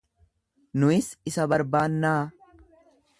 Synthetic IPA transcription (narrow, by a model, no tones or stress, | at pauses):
nʊɪsɪsɐbɐɾbaːnːaː